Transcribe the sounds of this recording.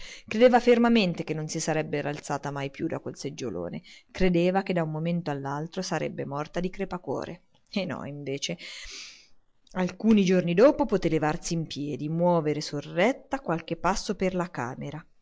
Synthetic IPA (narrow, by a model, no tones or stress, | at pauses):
kɾed̪eːvafermament̪ek̟enːonsisaɾɛbːeɾalt̪saːt̪amajpjud̪a̰kwelsed͡ʒːo̰lo̰ːnḛkɾed̪eːvak̟ed̪aummːoment̪oalːalt̪ɾosaɾɛ̰bːemɔrt̪ad̪ikɾepakwɔ̰ːɾʔḛ | enːɔ̰iɱveːt͡ʃe | alkuːnid͡ʒornid̪ɔːpopot̪elevarsiːmpjɛːd̪imwɔːveɾesorːɛt̪ːakwalk̟epːasːoperlaka̰ːmeɾa